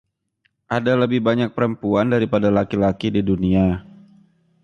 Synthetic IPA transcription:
ʔadaləbɪhbaɲak̚pəɾəmpuandaɾipadalakilakididunia

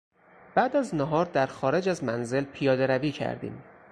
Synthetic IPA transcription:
b̥æːd̪æznæɦɒːɾd̪æɾxɒːɾe̞d͡ʒæzmænze̞lpʰijɒːd̪eɾæviːcʰæ̰ɾd̪ḭːm

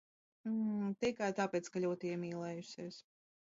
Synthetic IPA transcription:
t̪ikajt̪aːpʲɛːt̪skalʲuːt̪iɛmiːlˠɛːjusʲiɛs

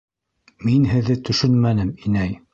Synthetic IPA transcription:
minɦɘ̆ðːɘt̪ɵ̆ʃɵnmænɘminæj

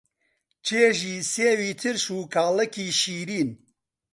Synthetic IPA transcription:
t͡ʃʰeːʒiːseːwiːt̪ʰɨɾʃuːkʰaːlɐkiːʃiːɾiːn

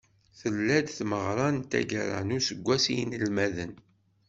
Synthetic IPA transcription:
θəlːæd̪θməʁɾˤɑnt̪æ̰ɡəɾˤa̰nusəɡʷːæsijənəlmæðən

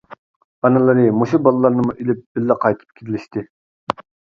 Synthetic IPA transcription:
ɑnɨlˠɨɾɨmuʃubɑlˠɨlˠɑɾnɨmuʔilɪp̚bɪlːɛqʰɑjt̪ʰɨ̥p̚kʲʰiɾɪlɪʃt̪ʰɪ

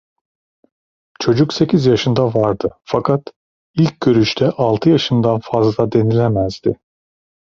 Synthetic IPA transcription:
t͡ʃʰo̞d͡ʒukse̞cʰizjaʃɯnd̪avaɾd̪ɯfakʰat̪ | ilʲc̚ɟø̞ɾyʃt̪ʰɛʔalˠt̪ʰɯjaʃɯnd̪anfazlˠad̪e̞nilʲɛmæz̥d̪ɪ

